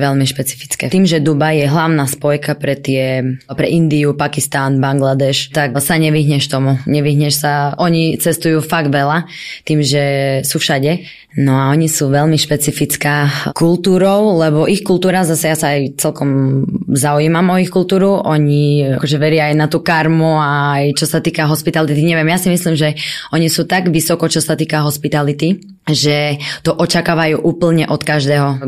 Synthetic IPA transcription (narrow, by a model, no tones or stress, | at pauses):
ʋɛʎmiʃpɛt͡si̥fi̥t͡skɛ̰t̪iːmʒɛd̪ubajjɛɦlaʊnaːspɔjkapɾɛt̪ɪɛpɾɛʔind̪iupakist̪anbaŋɡlad̪ɛʃt̪aksaɲɛʋiɦɲɛʃt̪ɔmuɲɛʋiɦɲɛʃsaʔɔɲit͡sɛst̪ujuːfaɡd̪ʋɛlat̪iːmʒɛsuːfʃaɟɛ | nɔaɔɲisuːʋɛʎmiʃpɛt͡sifit͡skaːkult̪uːɾɔʊlɛbɔʔixkult̪uːɾazasajasaːjt͡sɛlkɔmzauiːmamɔixkult̪uːɾuɔɲiakɔʒɛʋɛɾɪaːjnat̪uːkaɾmuaːjt͡ʃɔsat̪iːkaɦɔspit̪alit̪iɲɛʋɪɛmjasimislimʒɛɔɲisuːt̪aɡʋisɔkɔt͡ʃɔsat̪iːkaɦɔspit̪alit̪i | ʒɛt̪ɔʔɔt͡ʃakaːʋajuːʔuːpl̩ɲɛʔɔt̪kaʒd̪ɛːɦɔ